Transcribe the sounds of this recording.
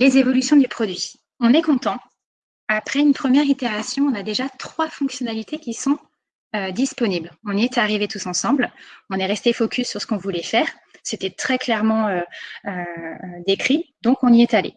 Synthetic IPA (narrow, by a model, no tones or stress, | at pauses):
lezevɔlysjɔ̃d̪ypχɔd̪ɥi | ɔ̃nɛkɔ̃t̪ɑ̃ | apχɛynpχəmjɛʁit̪eʁasjɔ̃ɔ̃nad̪eʒat̪χwafɔ̃ksjɔnalit̪ekʲisɔ̃ | ød̪ispɔniblɔ̃niɛt̪aʁivet̪usɑ̃sɑ̃blɔ̃nɛʁɛst̪efɔkʲʰysːyʁsə̥kɔ̃vulɛfɛːʁ | set̪ɛt̪χɛklɛʁmɑ̃øød̪ekχid̪ɔ̃kɔ̃niɛt̪alḛ